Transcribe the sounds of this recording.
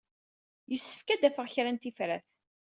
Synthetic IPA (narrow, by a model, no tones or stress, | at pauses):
jəsːə̥fkæd̪æfəʁçɾænt̪ifɾæθ